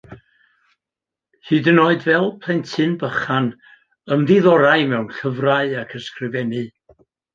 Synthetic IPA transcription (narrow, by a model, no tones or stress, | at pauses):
hɨːdənoːɨdvɛlˠpʰl̥ˠɛntʰɨnbəχan | əmðɪðɔɾaɨmɛwnɬəvraɨakʰəskrɪvɛnɨ